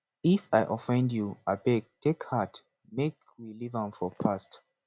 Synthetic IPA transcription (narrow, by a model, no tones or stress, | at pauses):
ifaɪʔɔfɛ̃ndjuabɛɡ̚tʰekhat | mek | wilivãmfɔpʰast